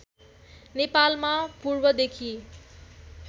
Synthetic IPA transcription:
nepalmãpuɾbʌd̪ekʰi

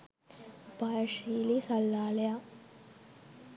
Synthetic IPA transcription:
baːjʃiːlisɐlːaːlja

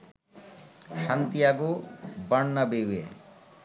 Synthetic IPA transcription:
ʃant̪ijaɡobaɳnabewḛ

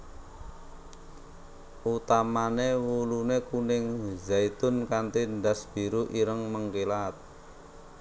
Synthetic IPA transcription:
ʔut̪amanewulunekunɪŋzait̪ʊnkant̪iɳdasb̥i̤ɾuʔiɾəŋməŋkilat̪̚

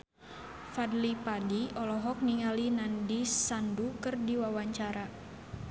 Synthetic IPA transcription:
fadlipadiɔlɔɦɔk̚niŋalinandisandukɨrdiwawaɲt͡ʃaɾa

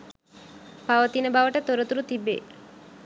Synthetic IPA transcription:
paʋət̪inəbaʋəʈət̪oɾət̪uɾut̪ibḛ

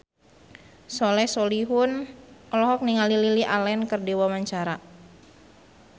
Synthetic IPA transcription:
sɔlɛsoliɦʊnɔlɔɦɔk̚niŋalililiʔalɛnkərdiwamaɲt͡ʃaɾa

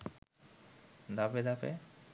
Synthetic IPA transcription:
d̪aped̪apḛ

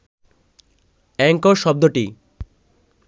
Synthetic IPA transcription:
ɛŋkoʃɔb̚d̪oʈi

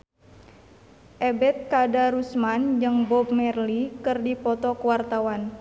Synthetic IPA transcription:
ʔɛbɛt̪̚kadaɾusmand͡ʒɨŋbɔp̚mɛrlikɨrdipɔt̪ɔkəwart̪awan

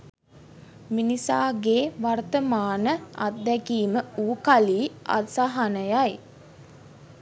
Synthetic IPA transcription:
minisaːɡeːʋart̪əmaːnəa̰t̪̚d̪ɛkiːməuːkaliːa̰t̪saɦanəjaj

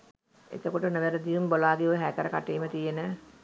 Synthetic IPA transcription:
ḛt̪əkoʈənəʋeɾəd̪ijumbolaːɡeoɦækəɾəkaʈeːmət̪ijenə

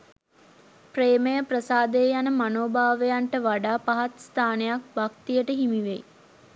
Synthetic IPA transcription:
preːmejəprəsaːd̪ejəjanəmanoːbaːʋejaɳʈəʋaɖaːpaɦat̪st̪ʰaːnejak̚bak̚t̪ijəʈəɦimiʋḛj

